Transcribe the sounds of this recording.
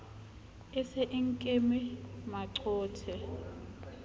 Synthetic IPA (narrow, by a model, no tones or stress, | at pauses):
ɪsɛʔɪŋ̩kʼemɪmaǀɔːtʰɛ